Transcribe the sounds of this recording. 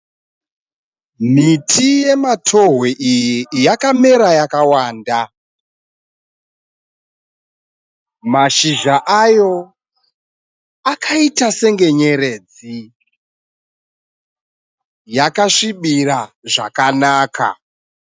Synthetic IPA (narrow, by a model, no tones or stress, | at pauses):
mitʰije̞matʰo̞ɦweʔijijakame̞ɾajakawaːnda | maʃiʒaʔajo̞ | akʰaitase̞ŋɡe̞ɲe̞ɾe̞d͡zi | jakaʂiɓiraʐa̰kanaːka̰